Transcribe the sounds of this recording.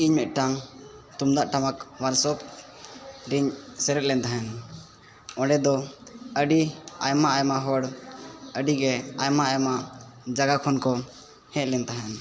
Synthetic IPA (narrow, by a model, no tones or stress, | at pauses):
iɲmɛt̪̚ˀʈaŋt̪umd̪aʔʈamakwaɾsɔp̚ | ɾiɲsɛɾɛt̪̚lɛnt̪aɦɛn | ɔ̃ɖɛd̪ɔəɖiajmaajmaɦɔɽəɖiɡɛajmaajmaʔd͡ʒaɡakʰɔnkɔ | hɛ̃ʔ̪̚lɛnt̪aɦɛn